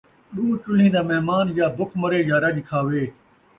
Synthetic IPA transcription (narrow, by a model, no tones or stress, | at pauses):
ɗuːt͡ʃʊl̤ĩːd̪aːmɛɦmaːnjaːbʊkʰməɾeːjaːɾɐd͡ʒkʰaːʋeː